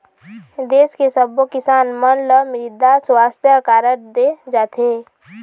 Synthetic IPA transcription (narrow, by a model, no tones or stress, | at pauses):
d̪eːskesəbokɪsaːnmənləmɾɪd̪asʊwaːst̪ʰjəkaːɾəɾd̪ed͡ʒaːt̪ʰeː